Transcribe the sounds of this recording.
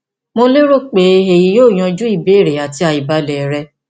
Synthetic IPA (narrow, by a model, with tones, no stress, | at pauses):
mo˧le˦ɾo˦k͡pe˨˦e˨ji˧˦joː˦˨j̃ɔ̃˧d͡ʒu˦i˦˨be˦˨ɾe˨a˨ti˧a˧i˨ba˧˦lɛ˨ɾɛ˧˦